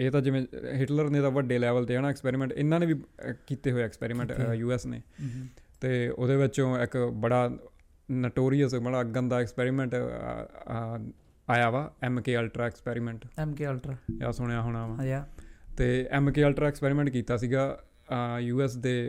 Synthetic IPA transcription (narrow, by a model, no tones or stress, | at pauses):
eːt̪ãːd͡ʒɪʋẽːɦɪʈləɾneːd̪aːʋəɖeːlɛːʋəlt̪eːnaːɛkspɛːɾiːmɛ̃ɳʈɪ̰nːãːnẽːʋiːkiːt̪eːɦoːeaːɛkspɛ̰ːɾiːmɛ̃ɳʈjuːɛːsnḛːt̪eːo̰ːd̪eːʋɪt͡ʃõːɪkbəɽaː | nəʈoːɾijəsbəɽaːɡənd̪aːɛkspɛːɾiːmɛ̃ːɳʈ | aːjaːʋaːɛːmkeːəlʈɾaːɛkspɛːɾiːmɛ̃ːɳʈːmkelʈɾja̰ːsʊɽejaːɦoːɽaːʋãː | t̪eːɛːmkeːəlʈɾaːɛːkspɛːɾiːmɛ̃ɳʈkiːt̪aːsiːɡaː | juːɛːsd̪eː